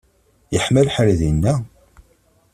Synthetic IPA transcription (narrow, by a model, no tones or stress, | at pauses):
jəħməlħəlðinːæ